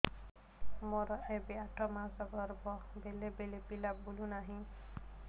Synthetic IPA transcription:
mɔɾɔebeaʈʰɔmasɔɡɔɾbɔbelebelepilabbulũnaɦĩ

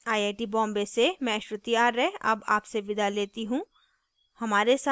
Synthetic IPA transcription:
aːieːʈibɔ̃ːmbesemɛ̃ʃət̪iaːɾːɛɦɐ̰ba̰ːpseʋɪd̪ʱaleːt̪iɦũː | hɐmaːɾesa

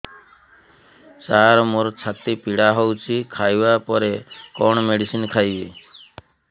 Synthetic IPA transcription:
t͡ʃaːɾmuɾt͡ʃʰat̪ipiɽaːɦɔwt͡ʃʰikʰaːjʋaːpɔɾekɔɳmeɽisinkʰaːje

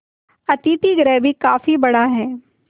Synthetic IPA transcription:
ɐt̪iːt̪iɡɾɛːbʱikaːfibɐɽaɦɛː

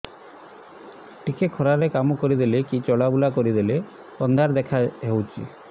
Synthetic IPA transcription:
ʈikekʰɔɾaɾekamɔkɔɾid̪elekit͡ʃɔɽabulakɔɾid̪ele | pɔnd̪ʱaɾd̪ɛkʰaɦewt͡ʃʰḭ

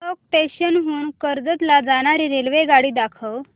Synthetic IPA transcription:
ɔk̚ʈeɕənɦuːnkəɾd͡zət̪lad͡zaɽ̃aɾiːɾelʋeɡaɽiːd̪akʰəʋ

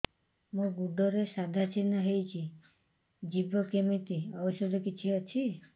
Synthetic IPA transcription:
mũɡuɖʱɔɾesad̪ʱat͡ʃʰinəɦejt͡ʃʰi | d͡ʒibʱəkemit̪iəʋəʃɔd̪ʱɔkit͡ʃʰiət͡ʃʰi

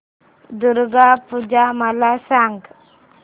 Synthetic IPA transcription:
d̪uɾɡapud͡ʒamalasaŋɡ

